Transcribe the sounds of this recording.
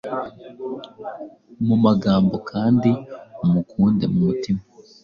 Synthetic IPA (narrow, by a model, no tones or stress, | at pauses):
mumaɡaːmbo̞kʰaːndiumukuːndemumutima